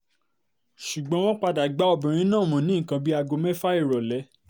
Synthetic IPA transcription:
ʃu˨ɡ͡bɔ̃˧˦w̃ɔ̃˦k͡pa˧da˨ɡ͡ba˨˦ɔ˧bĩ˨ɾ̃ĩ˦nãː˦˨mɔ̃˨nĩ˦˨kã˧bi˦a˧ɡo˧mɛ˦fa˦i˦˨ɾɔ˨lɛ˨˦

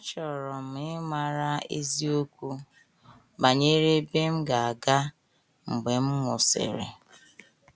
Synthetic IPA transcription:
ɔ˦t͡ʃɔ˨ɾɔ˨m̩˨ɪ˦ma˨ɾa˦ḛ˦zi˦o˦kʷu˦ | ba˨ɲe˦ɾe˦be˦m̩˦ɡa˨a˨ɡa˦ | ŋ͡m̩˨ɡ͡be˨m̩˦mʷʊ˨sɪ̰˨ɾḛ˨

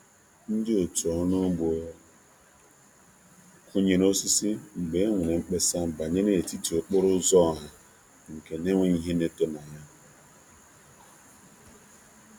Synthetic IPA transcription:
n̩˦dɪ˦o˨tɔ˨˦no˦ɡ͡bo˨˦ | kʰu˦ɲe˨ɾo˦si˦si˦ŋ͡m̩˨ɡ͡be˨˦ŋʷʊ˨ne˨ŋ͡m̩˦k͡pe˦sa˦ba˨ɲe˦ne˦e˨ti˦ti˨o˨k͡pʊ˦ɾʊ˦zɔ˦˨ɦa˨ | ŋ̩˨ke˨ne˦ŋʷe˦i˦ɦe˦ne˦to˦na˨ɲa˦

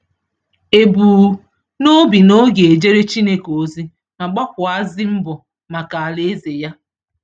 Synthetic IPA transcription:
e˨buː˨ | no˦bi˨no˦ɡe˨e˨d͡ʒe˦ɾe˦t͡ʃi˦ne˦ko˨˦zi˦ | ma˨ɡ͡ba˦kʷʊ˨a˦zɪ˦m̩˦bɔ˨ | ma˨ka˨a˨le˦e˦ze˨ja˦

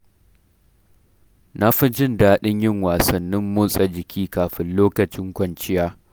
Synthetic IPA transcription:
nʔa˦ɸɪ˦d͡ʒɪ˦ndaː˦ɗɪ˦ɲjɪ˦ŋwaː˨sɐ˨nːɪ˦mːʊː˦sʼɐ˨d͡ʒɪ˨kʲʰiː˦kaː˨ɸɪ˦nloː˦kɐ˨t͡ʃɪ˦ŋkʷɐ˨nt͡ʃɪ˦jaː˦

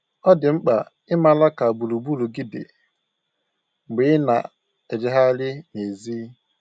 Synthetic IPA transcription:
ɔ˦dɪ˨ŋ͡m̩˦k͡pa˨ | ɪ˦ma˦la˦ka˨bu˨lu˨bu˦lu˨ɡi˦dɪ̰˨ | ŋ͡m̩˨ɡ͡bɪ˨˦ɪ˦na̰˨ | e˨dɪ˨ɦa˦lɪ˦ne˨ziː˦

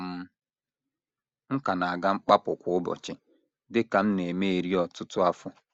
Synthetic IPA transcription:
m̩˦ | ŋ̩˦ka˨na˨a˨ɡa˦ŋ͡m̩˦k͡pa˦pʊ˨kʷʊ˨˦ʊ˦bɔ̰˨t͡ʃɪ˦ | dɪ˦ka˨m̩˦ne˨me˦e˨ɾi˦ɔ˨tʊ˦tʊ˦a˦fʊ˦

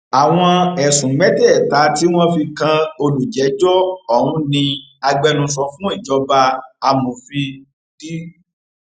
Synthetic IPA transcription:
a˨w̃ɔ̃˧ɛ˨sũ˨mɛ˨˦tɛ˦˨ɛ˨ta˨˦ti˦w̃ɔ̃˦fi˧kã˧o˧lu˨d͡ʒɛ˨˦d͡ʒɔ˦ɔ˦˨hũ˧˦nĩ˧a˧ɡ͡bɛ˧nũ˧˦s̬ɔ˧fũ˦i˦˨d͡ʒɔ˨˦ba˧a˧mũ˨fi˧˨ | ti˦

